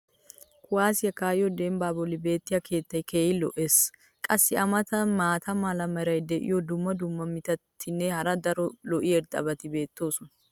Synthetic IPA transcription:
kʰʊwaːsɪjɐkaːjɔd̪embaːbɔlːɪbe̞ːt̪ːɪjɐkʰe̞ːt̪ːɐjkʰeːjɪlɔ̰ʔe̞s | kʼɐsːɪɐmɐt̪ʰɐmaːt̪ʰɐmaːlɐmɐɾɐjd̪ɛʔɪ̰jɔd̪ʊmːɐd̪ʊmːɐmɪt̪ɐt̪ʰːɪnːɛhɐɾɐd̪ɐɾɔlɔʔɪɛɾd̪ɐ̰bɐt̪ɪbe̞ːt̪ːo̞ːsʊnɐ

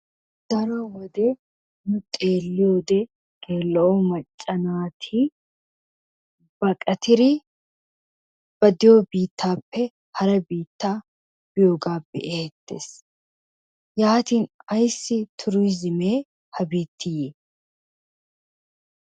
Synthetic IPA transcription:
d̪̥ɐɾɐwɔd̪ɛ | nʊt̪ʼe̞ːlːɪjoːd̪ɛ | ɡ̥e̞ːlːɐʔɔmɐt͡ʃʼːɐnaːt̪ʰi | b̥ɐkʼɐt̪ɪɾɪ | b̥ɐd̪ɪjobiːt̪ːaːpːɛ | hɐɾɐbiːt̪ːaː | b̥ɪjo̞ːɡaːbɛ̰ʔeɛt̪ːe̞̰ːs | jaːt̪iːnɐjsːɪt̪ʰʊɾʊjzɪmeː | hɐbiːt̪ʰːɪjeː

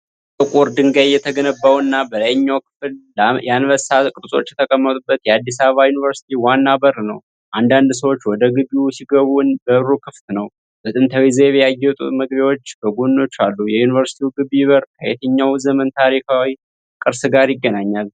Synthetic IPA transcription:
t̪ʼɨkʼuɾd̪ɨŋɡajjɛt̪ʰəɡənəbːawɨnːabələjɲːawkʰɨ̥fljanβəsakʼɨɾʼsʼo̞̰t͡ʃːjɛt̪ʰəkʼəmːət̪ʼubːət̪jɛad̪ːisaβəβajunivəɾsi̥t̪ʰiwanːabəɾnəw | ʔand̪and̪s̬əwo̞t͡ʃːwɔd̪əɡɨβiusiɡəβunbəβɾukʰɨft̪nəw | bət̪ʼɨnt̪ʰəwizeβeajːɛt̪ʼṵməɡbiwo̞t͡ʃːbəɡonːo̞t͡ʃːalːujɛjunivəɾsi̥t̪ʰiwuɡɨβiβərkʰəjet̪ʰəɲːawzəmənt̪ʰaɾikʰawi | kʼɨɾsɡaɾjɪɡːənaɲːal

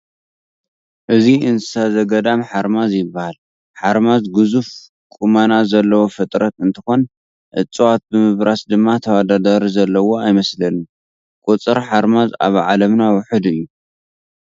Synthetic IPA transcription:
ʔɨziɨnsazɐɡɐd̪amħaɾmazjɪbːahal | ħaɾmazɡɨzuf | kʼumanazɐlːɐwofɨt̪ʼɾɐt̪ɨnt̪ʰɨxo̞n | ʔɨ̰t͡sʼːuwat̪̚bɨmɨβɾasd̪ɨmːat̪ʰɐwad̪ad̪aɾizɐlːɐwo̞ajmɐslɐnu | kʼut͡sʼɨɾħaɾmaza̰βʕalɐmnawʊħɨd̪ɨjːu

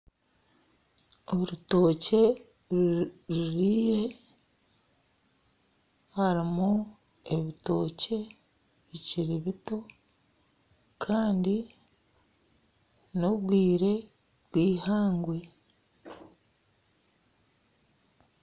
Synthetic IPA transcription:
oɾuto̞ːce̞ | ɾuɾiːɾe̞ | haɾimu | e̞βito̞ːce̞ | βiciɾiβito̞ | kʰaːndi | no̞βwiːɾe̞ | βwiːhaːŋɡwe̞

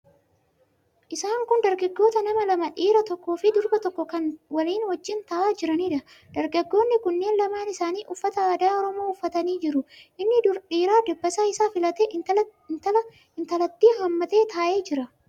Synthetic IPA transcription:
ʔɪsaːŋkʊnd̪ɐɾɡɐɡːo̞ːt̪ɐnɐmɐlɐmɐᶑiːɾɐt̪ɔkːoːfɪd̪ʊɾbɐt̪ɔkːɔkɐnwɐliːnwɐd͡ʒːɪnt̪ɐʔaːd͡ʒɪɾɐniːᶑɐ | d̪ɐɾɡɐɡːo̞ːnːɪkʊnːe̞ːnlɐmaːnɪsaːniːʔʊfːɐt̪ɐaːd̪aːɔɾɔmoːʊfːɐt̪ɐniːd͡ʒɪɾʊʔɪnːɪᶑiːɾaːd̪ɛbːɐsaːɪsaːfɪlɐt̪enɐɐ | ɪnt̪ɐlɐt̪ːiːɦɐmːɐt̪e̞ːt̪aːʔe̞ːd͡ʒɪɾɐ

